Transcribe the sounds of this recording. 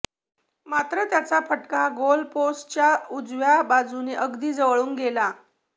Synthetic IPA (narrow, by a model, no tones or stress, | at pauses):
mat̪ɾət̪jat͡sapəʈkaɡolpost͡ɕjaud͡zʋjabad͡zuneʔəɡd̪iːd͡zəʋɭuːŋɡela